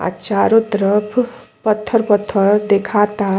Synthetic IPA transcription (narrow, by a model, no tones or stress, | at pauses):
a̰t͡ʃaɾot̪ɾʌpʰpʌt̪ʰːəɾpʌt̪ʰːəɾd̪ekʰat̪a